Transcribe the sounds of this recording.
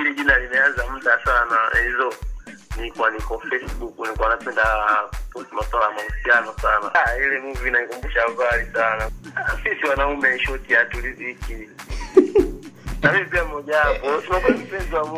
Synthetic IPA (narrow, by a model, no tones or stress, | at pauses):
iliʄinalinajanzam̩dasanahizɔnikwanikɔflɛsɓukunikwanapɛndapusimaswalajamausianɔsana̰ilɛmuvinaikumbuʃavalisanasisiwanaumɛʃɔtiatuliziki | namipiamɔʄapɔtumakuam̩pɛzɔwamu